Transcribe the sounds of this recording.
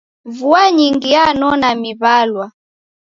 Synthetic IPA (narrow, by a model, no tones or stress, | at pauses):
vuaɲiŋɡianɔnamiβalwa